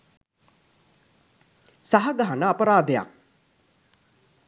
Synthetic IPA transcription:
saɦɐɡaɦɐnəːpəɾaːd̪eja̰k̚

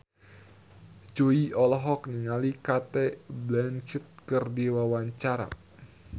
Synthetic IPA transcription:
d͡ʒoiʔɔlɔɦɔk̚nəŋalikat̪ɛblant͡ʃɪt̪̚kɨrdiwawaɲt͡ʃaɾa̰

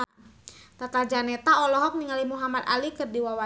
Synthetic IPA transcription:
t̪at̪ald͡ʒanɛt̪aɔlɔɦɔk̚niŋalimuɦamad̪alikɨrdiwawa

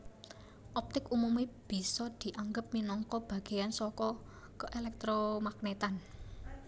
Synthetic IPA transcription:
ʔɔp̚t̪ɪkumumib̥i̤sɔd̪̥i̤ʔaŋɡəp̚minɔŋkɔb̥a̤ɡ̥e̤jansɔkɔ | kəʔelɛk̚t̪ɾomaknet̪an

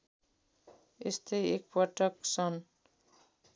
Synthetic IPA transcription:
est̪ʌjek̚pʌʈʌksʌn

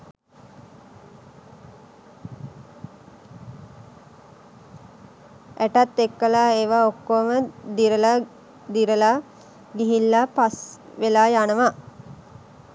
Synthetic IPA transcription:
ʔæʈat̪ːekːəlaːeːʋaokːoːməd̪iɾəla | d̪iɾəla | ɡiɦilːapas | ʋelaːjanəʋa

